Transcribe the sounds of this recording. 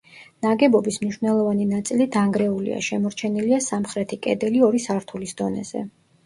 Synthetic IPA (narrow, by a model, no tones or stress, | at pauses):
naɡɛbɔbismniʃwvnɛlˠɔvaninat̪sʼilid̪aŋɡɾɛulḭa̰ʃɛmɔɾt͡ʃʰɛniliasamχɾɛt̪ʰikʼɛ̰d̪ɛliɔɾisaɾt̪ʰulisd̪ɔnɛ̰z̥ɛ̰